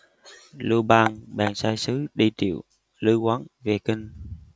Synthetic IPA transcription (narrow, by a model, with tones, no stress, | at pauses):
lu˧ɓaː˧ŋɓaː˨˩ŋsaː˧jsɨ˨˦ɗi˧t̪ḭ˧˨əw | lɨ˧˦kwa˨˦nve˨˩ki˧ŋ̟